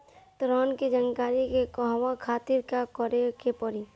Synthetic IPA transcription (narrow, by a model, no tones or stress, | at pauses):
t̪ɾaːnkid͡ʒənkaːɾikekɔɦʋakʰaːt̪ɪɾkakɔɾekepɔɾi